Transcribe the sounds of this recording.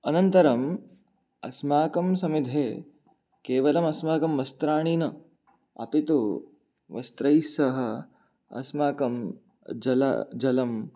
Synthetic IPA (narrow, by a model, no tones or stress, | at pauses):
ɐnɐnt̪ɐɾɐm | ɐ̰smaːkɐmsɐmid̪ʱeː | keːʋɐlɐmɐsmaːkɐmʋɐst̪ɾaːɳ̃iːnɐ | ɐ̰pit̪u | ʋɐ̰st̪ɾɐjsɐɦɐ̆ | ɐ̰smaːkɐm | d͡ʒɐlɐ̰d͡ʒɐlɐm